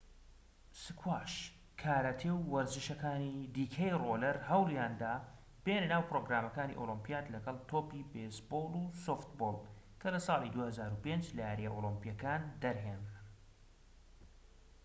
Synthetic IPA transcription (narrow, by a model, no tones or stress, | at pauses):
sɨkʰwaːʃ | kʰaːɾat̪ʰewːɐɾzɨʃɐkaːnid̪iːkʰɐjrolɐɾhɐwljaːnd̪aː | b̥elɐnaːwpɾoːɡɾaːmɐkaːnḭʔolˠɨmpijaːt̪lɐɡɐlˠt̪ʰoːpibesboːlˠusoːft̪boːlˠkʰɐlɐsɑːlid̪uːhɐzaːɾupend͡ʒlɐjaːɾijɛʔolˠɨmpijɐkaːnd̪ɐɾɦen